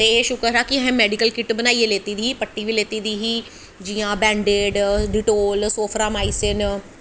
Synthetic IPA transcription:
t̪eːeːʃʊkəɾaːkɪəɦẽːmɛːɖɪkəlkɪʈbənaːieːleːt̪iːd̪iːiːpəʈːiːʋiːleːt̪iːd̪iːɦiː | d͡ʒiːãːbɛ̃ːɳɖeːɖɖɪʈoːlsoːpʰɾaːmaːiːsɪn

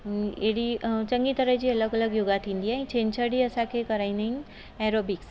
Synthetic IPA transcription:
eɽit͡ɕə̃ŋɡit̪əɾəɦd͡ʑiːɐləɡələɡjoɡat̪ʰĩːnd̪iɦãĩt͡ʃʰẽːnt͡ɕʰəɽiəsãkʰekəɾaːĩnd̪əɦin | ɛːɾoːbiks

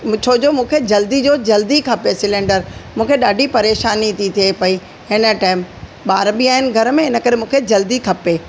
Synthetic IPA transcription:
t͡ɕʰoːd͡ʑomũːkʰed͡ʑɐld̪id͡ʑoːd͡ʑɐld̪ikʰɐpesɪlẽɳɖəɾmũːkʰeɗaːɖʱipɐɾeːʃaːnit̪ʰit̪ʰiepɐi | hɪnə̆ʈaːɪmɓaːɾbiaːɦɪnɪ̆ɡʱɐɾmẽɪnə̆kɐɾemũːkʰed͡ʑɐld̪ikʰɐpeː

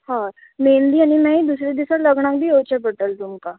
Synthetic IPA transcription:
hãː | meːnd̪iːãnimɛ̃ːid̪uːsɾed̪ɪsaləɡnãːkbiːɦoːt͡ʃɛbəʈəlt̪ʊmkaː

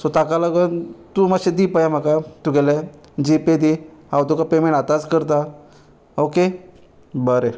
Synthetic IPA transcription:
sot̪akalaɡənt̪uːmaɕed̪iːpajam̤akat̪uɡɛle | d͡ʑiped̪ihawt̪ukapemẽɳʈat̪at͡skəɾt̪a | oke | bəɾe

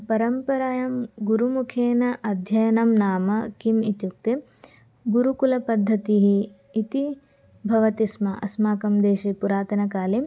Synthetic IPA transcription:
pɐɾɐmpɐɾaːjɐmɡuɾumukʰeːnɐʔɐd̪ʱjɐjɐnɐmnaːmɐkimit̪juk̚t̪e | ɡuɾukulɐpɐd̪ʱːɐt̪iɦiː | t̪i | bʱɐʋɐt̪ismɐʔɐ̰smaːkɐmd̪eːʃipuɾaːt̪ɐnɐkaːle

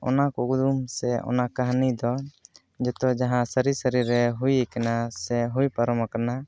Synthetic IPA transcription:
ɔ̰nakukd̪umsɛɔ̰nakaɦnid̪ɔ | d͡ʒɛt̪ɔd͡ʒaɦãsəɾisəɾiɾɛɦujɛkɛnasɛɦujpaɾɔmakana

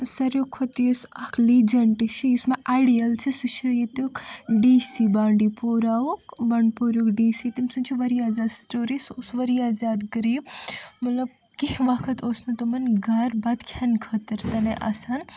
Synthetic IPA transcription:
sɐɾjokʰot̪ijusɐkʰlid͡ʒɐɳʈit͡ʃʰijismaʔaɽijɐlt͡ʃʰisut͡ʃʰɐjit̪ukɖiːsibaːɳɖipoːɾaːukbɐɳpoɾukɖiːsit̪imsɐnt͡ʃʰiʋɐɾijazaːd̪sʈoːɾisosʋɐɾijaːzaːd̪ɡəɾiːb̚mɐt̪lɐb̚ | kiɦʋakʰɐt̪ʰoːsnut̪ɐmɐnɡʱɐɾbɐd̪kʰjankʰɐt̪ɐɾt̪ɐneʔɐ̰san

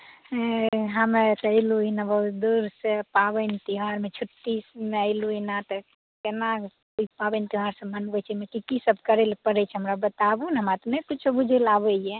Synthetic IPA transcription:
ɦamet̪əjluinabəɦut̪d̪uɾsepabənit̪iɦaɾmet͡ʃʰuʈːismeəɪluinat̪ɔ | kenakoipabɛnt̪iɦaɾsə̃mənbɛt͡ʃʰɛmekikisəbkəɾelpəɾɛt͡ʃʰɛɦəmɾabət̪abunɦəmɾat̪ɔnekut͡ʃʰsəbud͡ʒʱɛlabəje

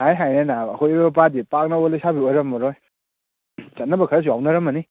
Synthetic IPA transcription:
ajɦajnenaɐkʰojɔɾbɐp̬adipak̚naolajsabiojɾɐmːɔɾɔj | sɐt̚nɐbɐkʰɐɾas̬uawnɐɾɐmɐni

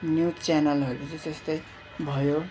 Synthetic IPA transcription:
njut͡sanʌlɦʌɾupʌt͡sʰid͡zʌst̪ʌj | bʱʌjo

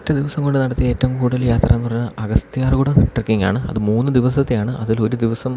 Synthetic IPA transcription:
tːɐd̪iʋɐsɐŋɡo̞ɳɖɨnɐɽɐt̪ːijɐe̞ːtːɐʋumkuːɽɐljaːt̪rɐ̰enːɨpɐrɐɲːɐʔɐɣɐst̪ijaːrkuːɽɐʈrekːiŋɡa̰ːɳɨɐ̰ðɨmuːnːɨd̪iʋɐsɐt̪ːilaːɳɨɐðilo̞ɾud̪iʋɐsɐm

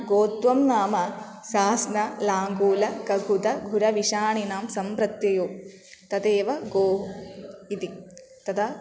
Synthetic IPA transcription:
ɡoːt̪ʋɐmnaːmɐ | saːsnɐlaːŋɡuːlɐkɐɡʱut̪ɐɡʱuɾɐʋiʃaːɳinaːmsɐmpɾɐt̪jɐjoː | t̪ɐt̪eːʋɐɡoːɦuit̪i | t̪ɐt̪ʰɐ

